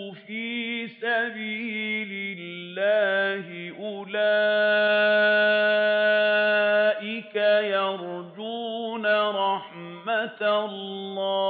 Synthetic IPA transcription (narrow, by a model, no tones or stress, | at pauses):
fiːsabiːlɪlːaːhɪʔʊla | ʔɪkajɑɾˤd͡ʒuːnaɾˤɑħmat̪llːɑː